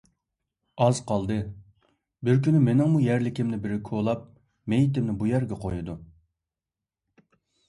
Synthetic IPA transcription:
ɑzqʰɑlˠd̪ɨ | bɪɾkʲynymenɪŋmujæɾlɪkʲɪmnɪbɪɾɪkʰolˠɑp̚ | mejit̪ɪmnɪbujæɾɡʲɛqʰojud̪u

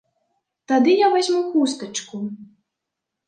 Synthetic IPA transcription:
t̪ad̪ɨjavazʲmukust̪ɐt͡ʂku

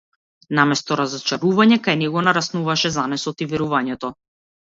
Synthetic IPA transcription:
namɛst̪ɔɾazɔt͡ʃaɾuvaɲɛkajnɛɡɔnaɾasnuvaʃɛzanɛsɔt̪ivɛɾuvaɲɛt̪ɔ

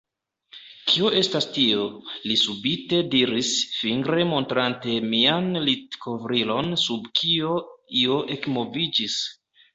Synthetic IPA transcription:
kʰio̞ʔe̞stastiolisubite̞diɾisfiŋɡɾe̞mo̞ntɾante̞mianlitkʰo̞vɾilo̞nsubkʰio̞io̞ʔe̞kmovid͡ʒis

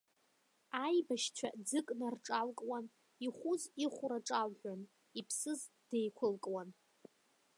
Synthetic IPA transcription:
ajbaʃt͡ʃʷʰa̰d͡zɨkʼnarʈ͡ʂʼalkʼwan | iχʷuziχʷʊɾaʈ͡ʂʼalħᶣʷan | ipʰsɨz | d̥ejkʷʰʊlkʼwan

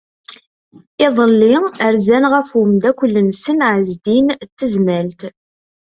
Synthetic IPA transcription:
ɪðˤəlːiəɾzænʁəfʊmd̪ækʷːəlːənsənʕəzd̪int̪ːəzmælt̪

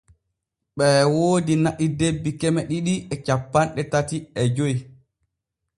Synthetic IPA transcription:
ɓɛwoːdinaʔidebːikɛmɛɗiɗiɛt͡ʃapːanɗɛtatiɛd͡ʒoj

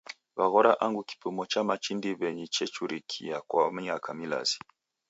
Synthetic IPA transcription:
βaɣɔɾaʔaŋɡuki̥pumɔt͡ʃamat͡ʃindiβɛɲit͡ʃɛt͡ʃuɾikʰḭjakwam̩ɲakamila̰zi̥

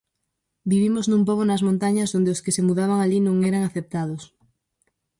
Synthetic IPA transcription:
biβimoznũmpoβonɐzmõnt̪aɲɐzðond̪eoskɪsemuðaβ̞aŋaʎinõŋeɾaŋaθep̚t̪að̞os

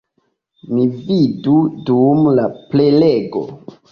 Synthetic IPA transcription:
mividudumlapleleɡo̰

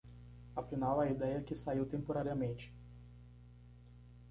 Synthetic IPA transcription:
afinawɐid̪ɛjɐkɪsaiwt̪ẽmpoɾaɾiɐmẽt͡ʃɪ̥

